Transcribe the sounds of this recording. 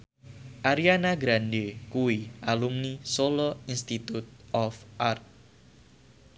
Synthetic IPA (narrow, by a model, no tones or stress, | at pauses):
ʔaɾianaɡɾandekuwiʔalumnisolɔinst̪it̪ut̪̚ɔfʔart̪̚